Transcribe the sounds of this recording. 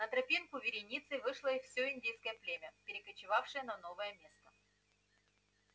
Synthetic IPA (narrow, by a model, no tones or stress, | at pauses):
nət̪ɾɐpʲinkʊvʲɪɾʲɪnʲit̪sɨvɨʂlˠəifsʲɵɪnʲdʲejskəjəplʲemʲəpʲɪɾʲɪkət͡ɕɪvafʂɨjənɐnovəjəmʲe̞st̪ə̥